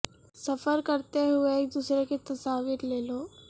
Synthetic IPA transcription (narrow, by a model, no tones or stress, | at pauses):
sɐfəɾkɐɾt̪eɦʊeːk̚d̪uːsɾeket̪ɐsaːʋiɾleːloː